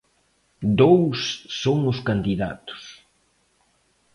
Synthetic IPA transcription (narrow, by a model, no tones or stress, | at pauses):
d̪owsːoŋʊskand̪iða̰t̪ʊ̥s